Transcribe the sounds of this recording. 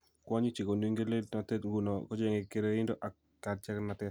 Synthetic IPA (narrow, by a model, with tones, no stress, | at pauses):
kwɔ˦ɲi˦t͡ʃɪ˨ko˨nwi˦ŋɡe˦le˦tna˨tɛ˦tŋɡu˨nɔ˨kɔ˦d͡ʒɛ˨ŋe˨ke˨ɾeɪ˦ndo˦ʔa˨ | kːa˨d̚t͡ʃɛ˦kna˨tɛ˦t